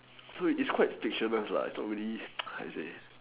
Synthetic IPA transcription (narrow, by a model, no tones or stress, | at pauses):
soitskʰwaɪtfik̚ʃənəsla̰ḭtsnɔt̚ɹilia̰sḛ